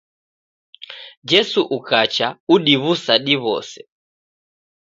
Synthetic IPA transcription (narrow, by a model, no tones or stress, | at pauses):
d͡ʒɛsuʔukat͡ʃauɗiβusaɗiβɔ̰sɛ